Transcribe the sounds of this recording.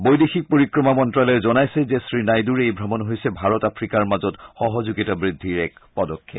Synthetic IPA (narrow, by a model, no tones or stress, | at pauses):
bojdexik̚poɹikɹɔmamɔntɹalɛɹzɔnajsɛzesɹinajduɹejbʱɹɔmɔnɦojsɛbʱaɹɔtapʰɹikaɹmazɔtxɔɦɔzuɡitabɹidʱːiɹɛk̚pɔdɔkʰːep